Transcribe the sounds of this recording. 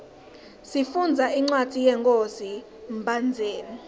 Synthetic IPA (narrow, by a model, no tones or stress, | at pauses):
sifund͡zʱaiŋ͡ǀwḁd̥ʱijɛŋkʼozi | mbʱand͡zʱeːni